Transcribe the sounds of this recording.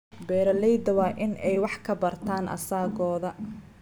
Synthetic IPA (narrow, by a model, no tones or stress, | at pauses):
bɛːɾɐlɛjd̪ɐwɑːʔɪnɛjwɑħkʰɐbɐrt̪ʰaːnʔɐ̰saːɡɔːðɐ